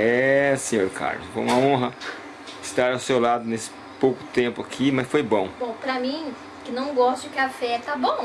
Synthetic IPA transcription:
ɛsẽɲoɾka̰ɾlʊ̰sfo̰jũmɐõɦɐ | ɪst̪aɾawsewlad̪ʊnesɪ̥ | powkʊ̥t̪ẽpʊakʰimɐsfojbõbõw̃pɾɐmĩ | kɪnɐ̃w̃ɡɔst̪ʊd͡ʒɪkɪafɛt̪abõw̃

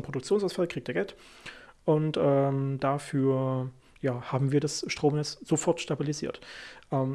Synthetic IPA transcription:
npʁ̥odʊk̚t͡sjoːnsaʊsfalkʰʁ̥iːk̚teːɡ̥ɛlt | ʔʊntʔɛːmd̥afyːɐ | jaːhaːbm̩viːɐdasʃtʁ̥oːmnɛt͡sz̥ofɔɐtʃtabilizḭːɐtʔɛːm

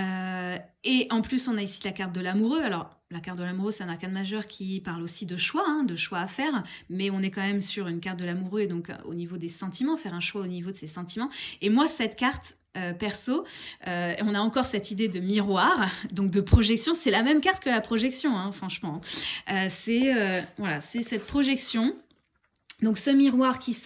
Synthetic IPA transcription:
ø | eʔɑ̃plysɔ̃naisilakaʁt̪̚d̪əlamuʁøalɔʁ | lakaʁt̪̚d̪əlamuʁøsɛt̪ɛ̃naʁkãd̪maʒœʁkʲʰipaʁlosid̪əʃwaɛ̃d̪əʃwaːfɛʁmɛɔ̃nɛkɑ̃mɛmsyʁynkaʁt̪̚d̪əlamuʁøed̪ɔ̃ko̰nivod̪esɑ̃t̪imɑ̃fɛʁɛ̃ʃwaonivod̪əsesɑ̃t̪imɑ̃emwasɛt̪kaʁt̪ | øpɛʁsoøɔ̃naɑ̃kɔʁsɛt̪id̪ed̪əmiʁwaʁd̪ɔ̃k̚d̪əpχɔʒɛksjɔ̃sɛlamɛmkaʁt̪̚kəlapχɔʒɛksjɔ̃ɛ̃fχɑ̃ʃmɑ̃øsɛøvwalasɛsɛt̪̚pχɔʒɛksjɔ̃ | d̪ɔ̃ksəmiʁwaʁkʲi

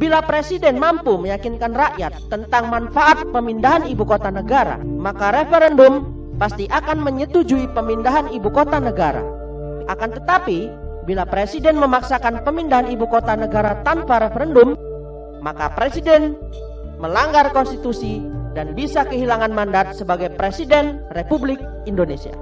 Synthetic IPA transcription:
bilapɾesidɛnmampuməjakinkanraʔjat̪ːənt̪aŋmanfaʔat̪̚pəmindaɦanibukot̪anəɡaɾa̰makaɾefɛɾɛndʊm | past̪iʔakanməɲət̪ud͡ʒuipəmindaɦanibukot̪anəɡaɾa̰ | ʔakant̪ət̪api | bilapɾesidɛnməmaksakanpəmindaɦanibukot̪anəɡaɾat̪anpaɾefəɾɛndʊmː | a̰ka̰pɾesidɛn | məlaŋɡarkɔnst̪it̪usidanbisakəɦilaŋanmandat̪̚səbaɡajpɾesidɛn | republɪk̚ | indonesia̰

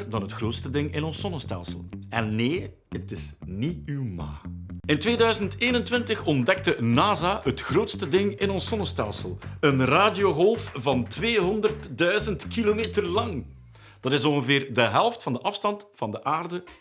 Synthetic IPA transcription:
rdɑnɦətxroːtstədɪŋɪnɔnsːɔnəstɛ̰lˠsə̰lˠɛnːeː | ətɪsniywma̰ːɪntʋeːdœɥzənteːnəntʋɪntəxɔndɛk̚tənaːzaːətxroːtstədɪŋɪnɔnsːɔnəstɛlˠsəlˠənraːdijoːɦɔlˠfvɑntʋeːɦɔndərtdœɥzəntkilomeːtərlɑŋ | d̥ɑtɪsɔnɣəvɪːrdəɦɛlˠftfɑndəʔɑfstɑntfɑndəʔaːrdə

